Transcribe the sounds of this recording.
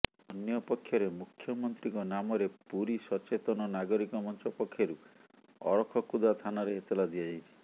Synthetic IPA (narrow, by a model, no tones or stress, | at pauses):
ɔnjɔpɔkʰːjɔɾemukʰːjɔmɔnt̪ɾiŋkɔnamɔɾepuɾisɔt͡ʃet̪ɔnɔnaɡɔɾikɔmɔnt͡ʃʰɔpɔkʰːjɔɾu | ɔ̰ɽɔkʰɔkud̪at̪ʰanɔɾeɦet̪ɔlad̪iad͡ʒajt͡ʃʰi̥